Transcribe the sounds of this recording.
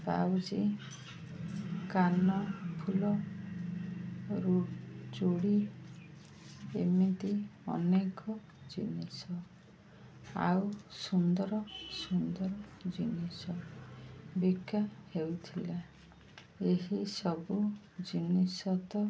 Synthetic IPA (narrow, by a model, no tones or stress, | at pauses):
ba̰wd͡ʒi | kanɔpʰulɔ | ɾud͡ʒuɽi | emit̪iɔ̰nekɔ | d͡ʒinisɔ | a̰wsund̪ɔɾɔsund̪ɔɾɔd͡ʒinisɔ | bikːahewt̪ʰila | eɦisɔbu | d͡ʒinisɔt̪ɔ